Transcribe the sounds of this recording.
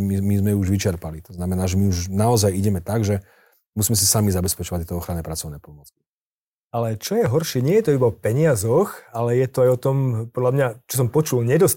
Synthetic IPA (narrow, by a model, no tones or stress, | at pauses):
mimizmɛuʒʋit͡ʃɛɾpalit̪ɔznamɛnaːʒɛmiuʒnaɔzajiɟɛmɛt̪aɡʒɛ | musiːmɛs̬isamizabɛspɛt͡ʃɔʋact̪ːɛt̪ɔɔxɾanɛːpɾat͡sɔʊnɛːpɔmʊɔt͡ski̥ | alɛt͡ʃɔjɛɦɔɾʃɪɛɲɪɛjɛt̪ɔibaɔpɛɲɪazɔxalɛjɛt̪ɔajɔt̪ɔmpɔd̪ʎamɲat͡ʃɔs̬ɔmpɔt͡ʃulɲɛd̪ɔs